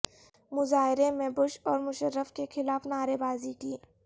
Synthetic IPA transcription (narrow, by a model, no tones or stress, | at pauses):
mʊzaːɦɪɾemẽbʊʃɔːɾmʊʃəɾːəfkexɪlaːfnaːɾebaːzikiː